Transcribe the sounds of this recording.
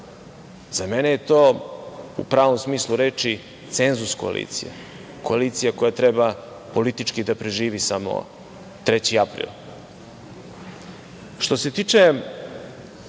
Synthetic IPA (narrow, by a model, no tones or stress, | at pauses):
z̥amenejet̪o̞ːṵpɾaːʋo̞msmiːslˠuɾeːt͡ʂi | t̪senzusko̞̰a̰lʔḭːt̪sḭja̰ | ko̞alit̪sijako̞jat̪ɾɛba | po̞lit̪it͡ʃkid̪apɾeʒiːʋisamo̰ | t̪ɾet͡ɕiapɾḭːl | ʃt̪o̞se̞t̪iːt͡ʂe